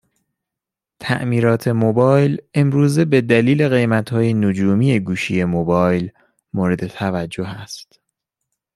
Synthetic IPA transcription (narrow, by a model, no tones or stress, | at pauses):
t̪ʰæ̰ʔmiːɾɒːt̪ʰe̞mobɒːjle̞mɾuːze̞be̞d̪æliːle̞ɣe̞jmæt̪ʰhɒːje̞nod͡ʒuːmiːe̞ɡuːʃije̞mobɒːjl | moːɾe̞d̪e̞t̪ʰævæd͡ʒːoɦæst̪